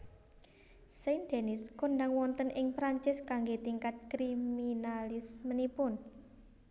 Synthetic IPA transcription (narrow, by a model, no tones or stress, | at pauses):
sajnd̪̥e̤nɪskonɖaŋwɔnt̪ənʔɪŋpɾaɲt͡ʃɪskaŋɡet̪iŋkat̪̚kɾiminalɪsmənipʊn